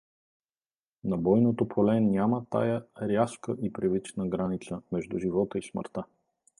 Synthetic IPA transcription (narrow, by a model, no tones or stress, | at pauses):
nɐbɔjnot̪opʰolɛnʲamət̪a̰jəɾʲjaskəʔipɾɛvit͡ʃnəɡɾanit̪səmɛʒd̪uʒivɔt̪əismə̰ɾt̪ə